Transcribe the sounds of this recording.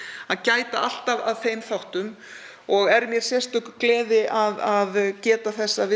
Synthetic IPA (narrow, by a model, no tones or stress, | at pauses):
aðcaːjt̪aʔal̥t̪avaðθejmθawht̪ʏm | ɔɣɛɾmjɛɾ̥sjɛr̥t̪œhkʏklɛːðɪʔaðaðcɛːt̪aθɛsːavɪ